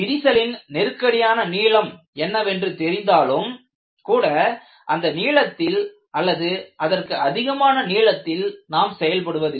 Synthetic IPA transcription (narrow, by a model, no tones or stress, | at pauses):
ɪɾɪsɐlɪnnɪɾɯkːɐɽɪjaːnɐniːɭɐm | ɛnːɐʋɛndrɯt̪ɛɾɪnd̪aːlɯm | kuːɽɐ | ʔɐnd̪ɐniːɭɐt̪ːɪl | ʔɐlːɐðɯʔɐðɐrkɯɐðɪɣɐmaːnɐniːɭɐt̪ːɪlnaːmsɛjɐlpɐɽɯʋɐðɪ